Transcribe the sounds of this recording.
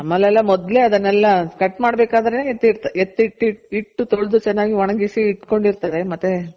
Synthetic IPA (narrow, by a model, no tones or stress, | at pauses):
ɐmɐlːɛlːɐmɔd̪le̞ːɐd̪ɐnːɛlːɐkɐʈːmaːɽbeːkaːd̪ɐɾeneːet̪ːiɾt̪ɐet̪ːit̪ːiiʈːut̪oɭd̪ut͡ʃɛnːaːɡiʋɐɳɐɡisiːʈko̞ɳɖiɾt̪ɐd̪e̞mɐt̪ːe